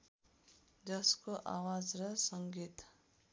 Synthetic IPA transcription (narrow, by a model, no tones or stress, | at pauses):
d͡ʒʌskoʔa̰wad͡zɾʌsʌŋɡit̪